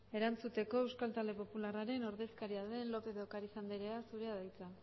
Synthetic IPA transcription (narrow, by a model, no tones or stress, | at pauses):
e̞ɾant͡sut̪e̞ko̞ewskalt̪ald̪e̞po̞pularaɾe̞no̞ɾðe̞skaɾiaðe̞nlo̞pe̞ðokaɾisand̪eɾeasuɾe̞aðajt͡sa